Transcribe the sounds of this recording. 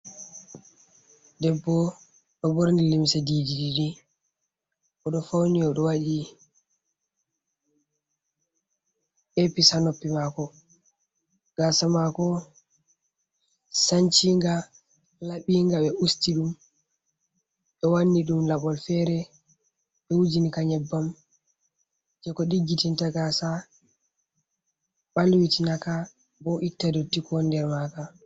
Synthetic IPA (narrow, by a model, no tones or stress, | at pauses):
dɛbːɔ | ɗɔboɾnilimsadididiɗi | ʔɔɗɔfawniɔɗɔwaɗi | ʔepisanopːimakɔ | ɡ̥asamakɔ | saɲt͡ʃiŋɡa | laɓiŋɡaɓɛʔustiɗum | ɓɛwanːiɗumlaɓɔlfɛɾɛ | ɓɛwud͡ʒinikaɲɛbːam | d͡ʒɛkɔɗiɡːitintaɡasa | ɓalwitinaka | bɔʔitːadɔtikɔndɛɾmaka